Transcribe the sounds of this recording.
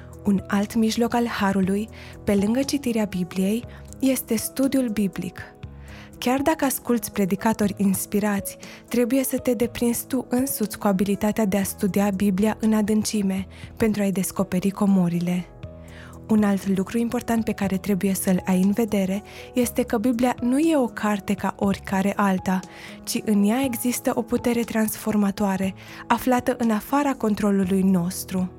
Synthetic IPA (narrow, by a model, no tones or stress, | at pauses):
unalt̪miʒlo̞kalhaɾuluj | pe̞lɨŋɡət͡ʃit̪iɾeabiblije̞jː | e̞st̪e̞st̪ud̪iulbiblḭk | kʲard̪akəaskult̪sʲpɾe̞d̪ikat̪o̞rʲinspiɾat̪sʲ | t̪ːɾe̞buje̞sət̪e̞d̪e̞pɾinzt̪uʔɨnsut̪sʲkuabilit̪at̪ead̪e̞ast̪ud̪iabiblijaʔɨnad̪ɨnt͡ʃime̞ | pe̞nt̪ɾuajd̪e̞sko̞pe̞ɾiko̞moɾile̞ | unalt̪lukɾuimpo̞rt̪ant̪̚pe̞kaɾe̞t̪ɾe̞buje̞səlajɨnve̞d̪e̞ɾe̞ | je̞st̪e̞kəbiblianuje̞o̞kʰart̪e̞kaʔo̞rʲkaɾe̞ʔalt̪a | t͡ʃiʔɨnjae̞ɡzist̪əʔo̞put̪e̞ɾe̞t̪ɾansfo̞rmat̪oaɾe | aflat̪əʔɨnafaɾako̞nt̪ɾo̞lulujno̞st̪ɾu